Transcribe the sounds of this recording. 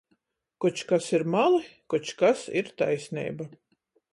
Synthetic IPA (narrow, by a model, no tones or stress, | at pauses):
kut͡ʃkasiɾmalˠikut͡ʃkasḭɾt̪a̰jsʲnʲḭːba